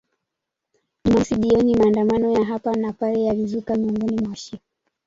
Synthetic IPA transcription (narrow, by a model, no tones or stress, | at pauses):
nasiɗiɔnimaːndamanɔjaɦapanapalɛjalizukamiuŋɡɔnimwaʃi